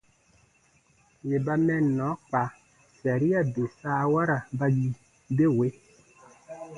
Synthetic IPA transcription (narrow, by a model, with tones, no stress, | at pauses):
je˨ba˦mɛ̃˦˨nɔ̃˨˦k͡pa˨ | sa˨ɾi˦a˨de˨sa˦wa˦ɾa˨ba˦ji˦ | be˦˨we˨˦